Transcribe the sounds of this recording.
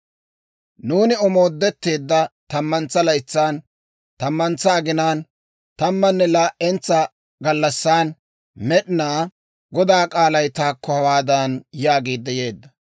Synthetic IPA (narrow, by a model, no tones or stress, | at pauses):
nuːnɪɔmo̞ːd̪ːɛt̪ːe̞ːd̪ːɐt̪ɐmːɐnt͡sːɐlɐjt͡sːaːn | t̪ɐmːɐnt͡sːɐːɡɪnaːn | t̪ɐmːɐnːɛlaːʔɛnt͡sːɐ | ɡɐlːɐsːaːn | mɛɗɪnaː | ɡɔd̪aːkʼaːlɐjt̪aːkːɔhɐwaːd̪ɐnjaːɡeːd̪ːɐje̞ːd̪ːɐ